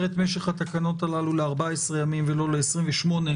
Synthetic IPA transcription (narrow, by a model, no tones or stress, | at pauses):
ʁet̪meʃe̞χat̪akano̞t̪alaluleaʁbaesʁejamimvelo̞leːsʁimveʃmo̞ne